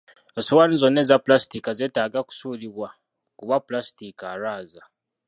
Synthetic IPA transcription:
esowanizo̞nːe̞zapulasi̥tikazeːtaːɡaku̥suːliβwa | kuβaplastikaɾaːza

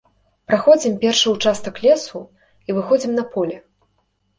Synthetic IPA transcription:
pɾaxɔd͡zʲimpʲɛrʂɨwt͡ʂast̪ɐklʲɛsu | ivɨxɔd͡zʲimnɐpɔlʲɛ

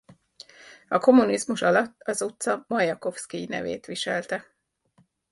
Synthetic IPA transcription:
ɒko̞munizmuʃɒlɒt̪ːɒzut̪sɒmɒjɒko̞fskiinɛ̰vḛːt̪ʋiʃɛlt̪ɛ

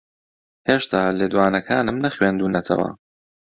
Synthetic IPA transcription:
heːʃt̪ʰaːleːd̪uwaːnɐkʰaːnɨmnɐxweːnd̪uːnɐt̪ʰɐ̰wɐ̰

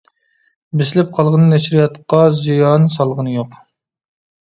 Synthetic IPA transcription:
bɪsɪlɪp̚qʰɑlˠʁənɨnɛʃɾijɑt̪qɑzijɑnsɑlˠʁənɨjoq

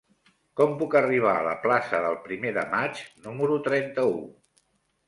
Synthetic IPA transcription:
kɔmpukəriβ̞aələ̰plasəðəlˠpɾimeðə̰mat͡ʃnuməɾut̪ɾɛnt̪əu

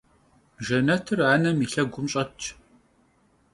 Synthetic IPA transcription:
ʒɐnɐtʰɨraːnɐmiːɬɐɡʷʊmɕʼɐt͡ʃʰ

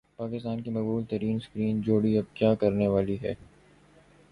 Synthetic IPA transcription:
paːkɪst̪aːnkimɐkbuːlt̪ɐɾiːnskɾiːnd͡ʒoːɽiɐb̚kjaːkɐɾneʋaːliɦɛ̰ː

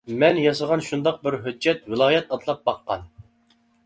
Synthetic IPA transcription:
mɛnjɑsɨʁɑnʃund̪ɑq̚bɪɾɦød͡ʒːɛt̪wɪlˠɑːjɛt̪ɑt̪lˠɑp̚bɑqːɑ̰n

